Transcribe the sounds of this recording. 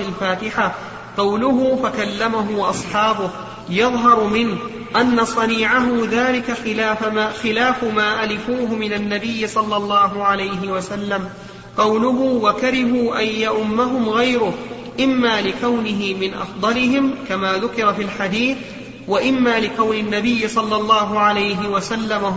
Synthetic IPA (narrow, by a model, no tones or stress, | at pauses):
ɪlfaːt̪ɪħa | qɑwlʊɦʊfakalːamaɦʊʔɑsˤħɑːbʊh | jɑðˤɦɑɾˤmɪnh | ʔanːasˤɑniːʕaɦʊðaːlɪkaxɪlaːxɪlaːfmaːʔalɪfuːɦʊmɪnanːabɪjːɪsˤɑlːɑlˤːɑːɦʊʕalajɦɪwasalːam | qɑwlʊɦʊwakaɾɪhuːʔajːaʔʊmːaɦʊmɣajɾʊh | ʔɪmːaːlɪkawnɪɦɪmɪnʔɑ̰fd̪ˤɑlɪɦɪmkamaːðʊkɪɾafilħad̪iːθ | waʔɪmːaːlɪkawnɪnːabɪjːɪsˤɑlːɑlˤːɑːɦʊʕalajɦɪwasalːam